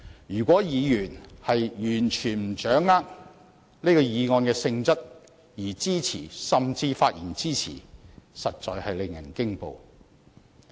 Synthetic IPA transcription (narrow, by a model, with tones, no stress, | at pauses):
jyː˨˩kʷɔː˨˥jiː˨˧jyː˨˩nhɐ˨jjyː˨˩nt͡ʃʰyː˨˩nm̩˨˩t͡ʃœː˨˥ŋːaː˥k̚ | ne˥kɔː˧jiː˨˧ŋɔː˧nkɛː˧sɪ˧ŋt͡sɐ˥t̚ | jiː˨˩t͡siː˥t͡sʰiː˨˩sɐ˨mt͡siː˧faː˧t̚jiː˨˩nt͡siː˥t͡sʰḭː˨˩sɐ˨t̚t͡ʃɔ̰ː˨˧jhɐ˨jlɪ˨ŋjɐ˨˩nkɪ˥ŋpo̰˨w